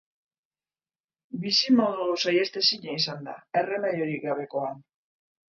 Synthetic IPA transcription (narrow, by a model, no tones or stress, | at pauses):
bisimo̞ðusaje̞st̪e̞siɲeisand̪ae̞re̞meðoɾiɡaβe̞ko̞an